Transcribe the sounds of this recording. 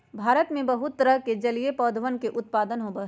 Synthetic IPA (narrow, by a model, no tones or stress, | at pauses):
bʱaːɾət̪mẽbɐɦʊt̪ːɾəɦked͡ʒɐliepɔːd̪ʱʋənkeʔʊt̪̚paːd̪ənɦobə